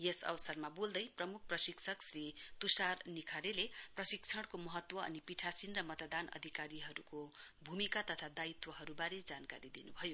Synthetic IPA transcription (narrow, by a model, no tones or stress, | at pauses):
jesʌ̰wʌsʌrmabold̪ʌjprʌmuk̚ʰprʌsiksʰʌksrit̪usarnikʰaɾeleprʌsikt͡sʰʌɽ̃komʌɦʌt̪wʌʌ̰nipiʈʰasinrʌmʌt̪d̪anʌ̰d̪ʱikaɾiɦʌɾukobʱumikat̪ʌt̪ʰad̪ait̪wʌɦʌɾubaɾed͡zankaɾid̪inubʱʌjo